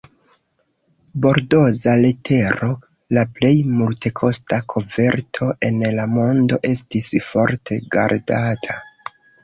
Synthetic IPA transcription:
bo̞ɾdo̞zaletʰe̞ɾo̞ | laple̞jmulte̞kʰo̞stakʰo̞ve̞ɾtʰo̞ʔe̞nlamo̞ndo̞̰ʔe̞stisfo̞ɾtʰe̞ɡa̰ɾdatʰa

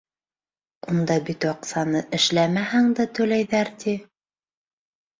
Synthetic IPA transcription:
und̪ɑbit̪wɑqsɑnɤʔɘ̆ʃlæmæhæŋd̪æt̪ɵ̆læjðæɾt̪i

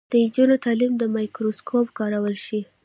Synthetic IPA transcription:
d̪̥əid͡ʒunot̪ɑlimd̪əmɑjkɾoskʰopkɑɾawəlʃi

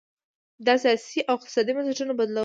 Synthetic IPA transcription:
d̪ɑsɑsiʔawɪq̚t̪ɪ̥sɑd̪imazaʈənobad̪la

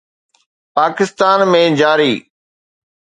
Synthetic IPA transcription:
paːkɪst̪aːnmẽd͡ʑaːɾiː

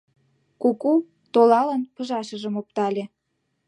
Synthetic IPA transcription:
kuku | t̪olɑlə̆npə̆ʒɑʃə̆ʒə̆mop̚t̪ɑlʲe

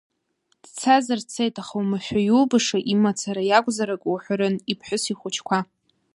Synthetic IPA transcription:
d̥t͡sʰazɨrt͡sʰejtʼaχawmaʃʷᶣajulbɨʂaʔimat͡sʰaɾajakʷʼzaɾakʼwħʷaɾɨnipʰħʷᶣʊsiχʷʊt͡ʃʰkʷʰa

